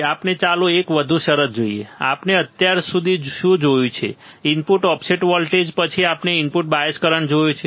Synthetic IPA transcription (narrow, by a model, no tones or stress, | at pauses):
apnet͡ʃalõekʋəd̪ʱũʃəɾət̪̚d͡ʒoiḛa̰pneət̪jaɾsud̪ʱiʃũd͡ʒojũt͡ʃʰḛ | ɪmpuʈɔpseʈʋɔlʈed͡ʒpət͡ʃʰiapneɪmpuʈbaeskəɾəɳd͡ʒojũt͡ʃʰe